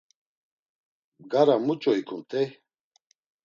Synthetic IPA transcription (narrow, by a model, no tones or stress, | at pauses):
ɡaɾamut͡ʃʼɔikʰunt̪ʰʼɛ